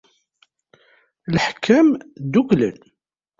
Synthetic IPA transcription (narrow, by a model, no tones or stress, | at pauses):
lħkʰːæmd̪uklə̰n